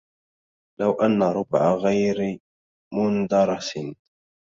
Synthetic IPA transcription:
lawʔanːaɾˤʊbʕaɣajɾɪ | mʊnd̪ɑɾˤɑs

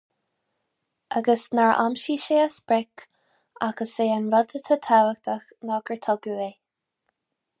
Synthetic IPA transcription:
ʔaɡəsnaɹʔa̰mʃiːʃeːasbɹɛk | aɡəseːanɹɔd̪ət̪ʰət̪ʰawək̚t̪ʰəxnɔɡəɹt̪ʰɔɡue

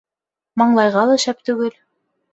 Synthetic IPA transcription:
mɑɴlˠɑjʁɑlˠɑ̆ʃæp̚t̪ʉɡɘl

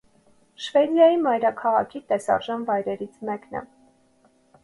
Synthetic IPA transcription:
ʃvɛd̪jɑjimɑjɾɑkʰɑʁɑkʰit̪ɛsɑ̰ɾʒɑnvɑjɾɛɾit͡sʰmɛknɛ̰

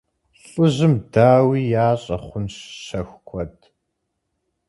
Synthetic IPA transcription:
ɬʼɨʑɨmdaːwiːjaːɕʼɐχʷʊnɕɕɐxkʷʰɔd

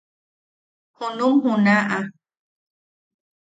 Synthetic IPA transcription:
honũmhũnãʔa

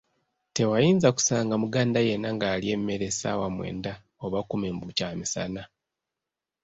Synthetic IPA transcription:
te̞wajiːnzaku̥saːŋɡamuɡaːndaje̞nːaŋɡaːlie̞mːe̞ɾe̞sa̰wamwe̞̰ːnda | oβakume̞mbucaːmisa̰na

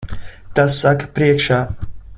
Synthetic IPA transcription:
t̪asːakːpɾiɛkʃaː

